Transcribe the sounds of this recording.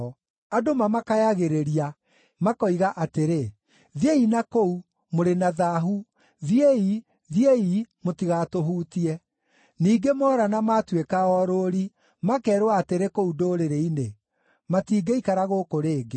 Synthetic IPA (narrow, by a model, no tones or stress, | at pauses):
adomamakajaɣeɾeɾia | makɔiɣaʔateɾe | ðjeinakou | moɾenaðaɦu | ðjei | ðjeimotiɣatoɦuːtiɛ | niːɡemɔːɾanamatwekaɔɾoɾi | makɛːɾwaːteɾekoudoːɾeɾeine | matiːɡeikaɾaɣokoɾeːɡe